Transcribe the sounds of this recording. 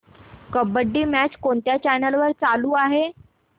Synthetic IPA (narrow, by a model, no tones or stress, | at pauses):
kəbəɖːiːmæt͡ɕkoɳt̪jat͡ɕænəlʋəɾt͡saluːaɦe